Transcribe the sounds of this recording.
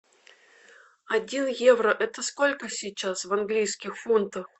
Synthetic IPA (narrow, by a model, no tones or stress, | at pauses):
ɐdʲinjevɾəʔɛt̪əskolʲkəsʲɪt͡ɕːasvɐnɡlʲijskʲɪxfunt̪əx